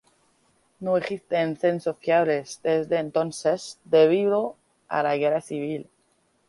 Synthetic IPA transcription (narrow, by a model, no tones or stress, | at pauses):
noesist̪eːnθensofjaβlezd̪ezðeːnt̪onsezd̪eβiβɾo | a̰laɣeraθiβ̞il